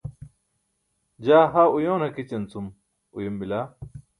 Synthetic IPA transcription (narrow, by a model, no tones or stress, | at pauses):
d͡ʑaːɦaujoːnhɐkit͡ɕɐnt͡sum | ujimbilaː